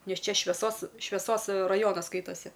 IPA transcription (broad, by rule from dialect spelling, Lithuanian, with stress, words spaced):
ˈnʲɛs ˈt͡ʃʲɛ ʃʲʋʲɛˈsoːs ʃʲʋʲɛˈsoːs rɐˈjoːnɐs ˈskɐɪtɐsʲɪ